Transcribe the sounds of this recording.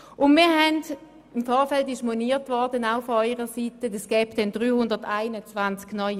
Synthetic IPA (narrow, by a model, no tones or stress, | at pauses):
ʔʊnmiːɐɦɛnd | ɪmfɔːʁfɛltɪʃmoniːtvɔʁdənaʊfɔɔʏʁəsitədəsɡ̥ɛːbdɛnd̥ʁyːhʊndɐʁtaɪnət͡svant͡sknɔʏ